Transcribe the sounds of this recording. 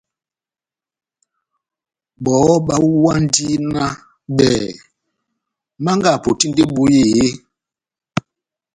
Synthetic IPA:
ɓɔ˨˦ɓa˦wwa˦n˦di˦na˦ | ɓɛ˨ | ma˦ŋɡa˦˨po˨ti˦ndi˦ɓu˦je˦˨je˦

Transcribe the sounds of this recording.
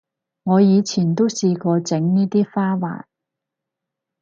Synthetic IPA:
ŋɔː˨˧jiː˨˧t͡sʰiː˨˩nt̪o˥wsiː˧kɔː˧t͡sɪ˨˥ŋniː˥t̪iː˥faː˥wa̰ː˨˩n

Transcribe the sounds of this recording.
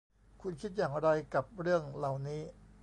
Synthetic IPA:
kʰu˧nkʰi˦˥t̪̚jaː˨˩ŋɾa˧jka˨˩p̚ɾɯ˥˩əŋla˨˩wniː˦˥

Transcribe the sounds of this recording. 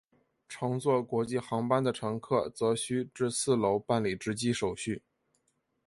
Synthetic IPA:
ʈ͡ʂʰɑ˧˥ŋt͡swɔ˥˩kwɔ˧˥t͡ɕi˥˩xɑ˧˥ŋpa˥nd̪ə˨ʈ͡ʂʰɤ˧˥ŋkʰɤ˥˩t͡sɤ˧˥ɕy˥ʈ͡ʂɻ̩˥˧sɹ̩˥˩lo˧˥ʊpa˥˩nli˨˩ʈ͡ʂɻ̩˧˥t͡ɕi˥ʂo˨˩ʊɕy˥˩

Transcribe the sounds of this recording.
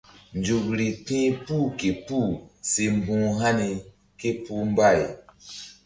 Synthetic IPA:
nd͡ʒu˨kɾi˨tĩ˦puː˦˨ke˨pu˦˨se˨m˨bũː˦ɦa˦ni˨ | ke˦pu˦m˦ba˦˨j

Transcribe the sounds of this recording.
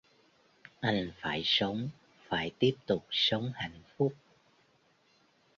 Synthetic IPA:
ʔa˧jŋ̟faː˧˩jsə˨˦wŋ͡m | faː˧˩jt̪i˦˥əp̚t̪ʊ˨˩k͡p̚sə˨˦wŋ͡mha̰˧˩˨jnfʊ˦˥k͡p̚

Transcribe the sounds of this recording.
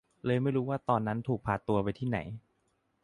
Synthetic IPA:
lɤː˧jma˥˩jɾuː˦˥waː˥˩t̪ɔː˧nːa˦˥nt̪ʰuː˨˩k̚pʰaː˨˩t̪ːu˧ɐpa˧jt̪ʰiː˥˩na̰˩˦j

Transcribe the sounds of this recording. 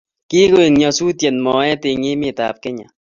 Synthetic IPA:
ki˦ko˦e˨ŋɲɔ˨su˦tje˨nmɔ˨ɛ˦tɪ˧ŋɪ˦mɪ˦˨ta̰˨p̚kɪ˦ɲa̰˨

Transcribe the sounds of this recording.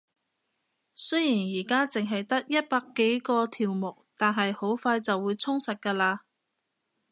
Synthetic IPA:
sɵ˥jiː˨˩njiː˨˩kaː˥t͡sɪ˨ŋɦɐ˨jt̪ɐ˥k̚jɐ˥t̚paː˧kːe˨˥jkɔː˧t̪ʰiː˨˩wmʊ˨˩k̚t̪aː˨nɦɐ˨jho˨˥wfaː˧jt͡sɐ˨wːuː˨˧jt͡sʰʊ˥ŋsɐ˨t̚kaː˧laː˧

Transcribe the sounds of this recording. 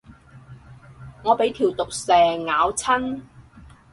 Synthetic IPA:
ŋɔː˨˧pe˨˥jt̪ʰiː˨˩wt̪ʊ˨k̚sɛː˨ŋaː˨˧˥wt͡sʰɐ˥n

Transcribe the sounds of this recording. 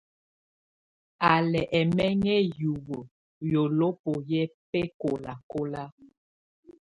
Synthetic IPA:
a˨lɛ˨ʔɛ˨mɛ˦ŋɛ˦ju˨wo˨ | jo˨lo˦po˨jɛ˦pɛ˦ko˨la˨ko˦la˦

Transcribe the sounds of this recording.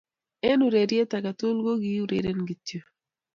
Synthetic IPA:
e˦nu˨ɾe˨ɾje˦ta˨ka˨to˦lɡo˦ɡi˦u˦ɾḛ˨ɾe˦nɡi˨tjo˨

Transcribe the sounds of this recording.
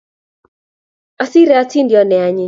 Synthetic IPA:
a˨si˦ɾɛ˨a˦ti˦ndjɔ˦nɛ˨a˦ɲɪ˦

